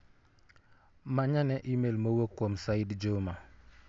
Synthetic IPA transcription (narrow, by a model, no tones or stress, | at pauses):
maɲanɛʔimelməwəkːɔmsajdd͡ʒoma